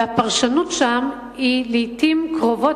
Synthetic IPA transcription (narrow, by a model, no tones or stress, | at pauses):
apaʁʃanut̪ʃam | hiliːtimkʁo̞vo